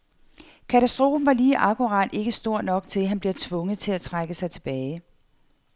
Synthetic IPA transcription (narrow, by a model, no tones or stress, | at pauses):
kʰæt͡sʰæsd̥ʁo̝ːbm̩ʋɑ̈liːʔɑ̈ɡʰuʁɑ̰d̥e̝ɡ̥əsd̥o̝ɐ̰nɒ̽ɡ̥̚t͡sʰe̝lɦænb̥liɐt͡sʰʋɔ̽ŋð̩ˠt͡sʰe̝læt͡sʰʁaɡ̥əsɑ̈ɪt͡sʰe̝b̥ɛːɪ